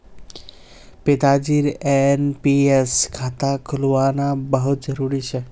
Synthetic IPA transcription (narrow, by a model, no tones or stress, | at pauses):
pɪt̪ad͡ʒiɾenpieskʰat̪akʰʊlʋanabəɦut̪̚d͡ʒəɾuɾit͡ʃʰe